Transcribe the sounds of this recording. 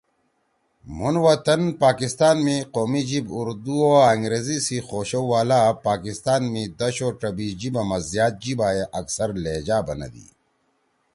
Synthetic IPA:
munwɐt̪ɐnpaːkist̪aːnmiqoːmid͡ʑibuɾd̪uoɐŋɡɾeːzisixoːɕɐwwaːlapaːkist̪aːnmĩd̪ɐɕoːʈɐbid͡ʑibɐmɐzjaːt̪̚d͡ʑibaːjeʔɐksɐɾleːd͡ʑaːbɐnɐ̰d̪ḭː

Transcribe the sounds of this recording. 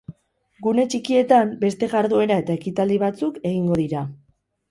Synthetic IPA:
ɡune̞t͡ʃikie̞t̪ambe̞st̪e̞ɣaɾðue̞ɾae̞t̪ae̞kit̪ald̪iβat͡suke̞ɣ̞iŋɡo̞ðiɾa

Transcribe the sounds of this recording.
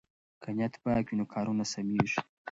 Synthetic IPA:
kʰanat̪bakinokʰɑːɾunasamiʐ

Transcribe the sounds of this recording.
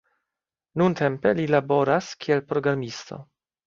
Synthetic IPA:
nuntʰe̞mpe̞lilabo̞ɾaskʰielpɾo̞ɡɾamist̪o̞̰

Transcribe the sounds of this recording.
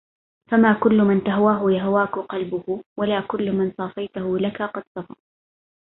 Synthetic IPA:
famaːkʊlːʊmɪnt̪aɦwaːɦʊjaɦwaːkʊqɑlbʊhʊwalaːkʊlːmɪnsˤɑːfɑjt̪ʊhʊlakaqɑd̪sˤɑfɑ̰

